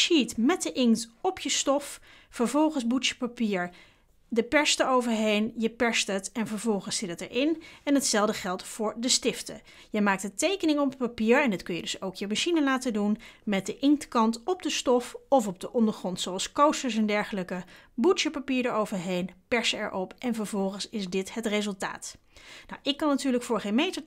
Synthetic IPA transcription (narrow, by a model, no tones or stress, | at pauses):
ʃitmɛt̚dəʔɪŋktɔpʰjəstɔf | fəɹvɔlˠχənzbutʃə̥papiːɹ | dəpɛɹsdəɹowvəɹɦejnjəpɛɹstətɛnvəɹvɔlˠχənsɪtətə̰ɹʔɪnɛnɦətsɛlˠdəχɛlˠtfʊːɹdəstɪftə̰ | jəmaːk̚tətejkənɪŋɔpəpapiːɹɛndɑtkɵnjədɵsowkjəmaʃinəlaːtədunmɛt̚dəʔɪŋktkɑntɔb̚dəstɔfɔfɔb̚dəʔɔndəɹχrɔntsowɑlˠskowstəɹs̬ɛndɛɹχələkəbutjəpapiːɹdaɹowvəɹɦejnpɛɹsəɛ̰ɹʔɔpʔɛnvəɹvɔlˠχənsɪzdɪtɦətrezɵlˠta̰ːt | na̰wʔɪkːɑnːatyːɹləkfʊːɹχejnmejtəɹ